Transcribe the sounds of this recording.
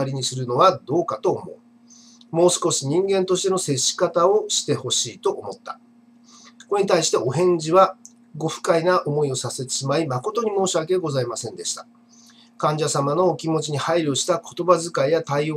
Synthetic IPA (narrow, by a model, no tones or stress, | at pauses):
aɾʲiɲ̟isɨɾɯ̟no̞βad̪o̞ːkat̪o̞ːmo̞ɯ | mo̞ːsɨ̥ko̞ɕiɲ̟ĩŋɡẽ̞nt̪o̞ɕi̥t̪e̞nose̞ɕːi̥kat̪ao̞ɕi̥t̪e̞ho̞ɕiːt̪o̞ʔːmo̞t̪ːa̰̥ | ko̞ɲ̟it̪aiɕi̥t̪e̞ʔo̞ɦẽ̞ɲ̟d͡ʑiβa | ɡo̞ɸɯ̟̥kainaʔo̞mo̞io̞sase̞t̪e̥ɕimaimako̞t̪o̞ɲ̟imo̞ːɕiβakeɯɡo̞zaimasẽ̞nd̪e̞ɕi̥t̪ḁ | kãɲ̟d͡ʑasamano̞ːkʲimo̞t͡ɕiɲ̟ihaiɾʲio̞ɕi̥t̪akʰo̞̥t̪o̞bazɨkaijat̪aio